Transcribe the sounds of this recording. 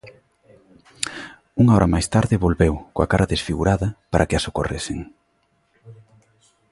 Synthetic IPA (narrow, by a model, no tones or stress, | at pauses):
uŋaɔɾʔɐmajst̪aɾðɪβolβewkoa̰kaɾɐðesfiɣuɾaðɐpaɾʔɐkɪɐsokoreseŋ